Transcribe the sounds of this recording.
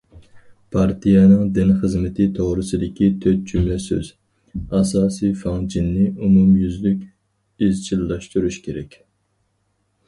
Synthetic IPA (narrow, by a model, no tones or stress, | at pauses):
pʰɑɾt̪ʰijɛnɨŋd̪ɪnχəzmɪt̪ʰɪt̪ʰoʁɾɨsɨd̪ɪkʲit̪ʰøt̪̚d͡ʒymlɛsø̰z̥ | ɑsɑːsifɑŋd͡ʒinːɪumumjyzlykʲ | izt͡ʃʰilːɑʃt̪uɾuʃkʲʰeɾɛkʲ